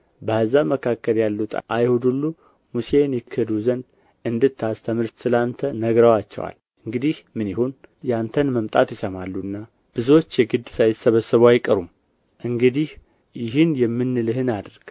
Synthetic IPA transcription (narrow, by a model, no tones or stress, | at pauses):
bəhəzːaməkʰakːəljalːut̪ʰʼʔajhod̪ulːu | musenjɪkʰːɨd̪uzən | ʔɨnd̪ɨt̪ʰːast̪ʰəmɨɾt̪sɨlant̪ʰənəɡɾəwat͡ʃːɛ̰wa̰l | ɨŋɡɨd̪ihmɨnjɪhonjɛant̪ʰənməmt̪ʼat̪jɪsəmalːunːa | b̥ɨzwot͡ʃːjɛɡɨd̪sajɪsːəβəsəβajɪkʼəɾum | ʔɨŋɡɨd̪ih | jɪɦɨnjɛmːɨnːlɨhɨnad̪ɾɡ̥